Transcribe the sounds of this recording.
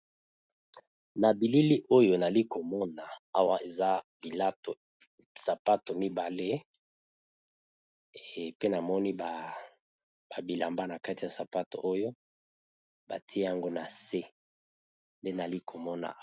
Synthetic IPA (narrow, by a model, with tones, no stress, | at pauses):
na˨bi˨li˦li˦ʔo˦jo˨na˨li˦ko˨mɔ˦na˨a˦wa˦e˨za˦bi˨la˦to˨ | sa˨pa˦to˨mi˦ba˨le˦˨ | pe˦na˨mɔ˦ni˦ba˨ | ba˨bi˨la˨mba˦na˨ka˦ti˨ja˨sa˨pa˦to̰˨ʔo˦jo˦ | ba˨tʰi˦e˦ja˦ŋɡo˦na˨se˦ | nde˦na˨li˦kʰo˨mɔ˦na̰˨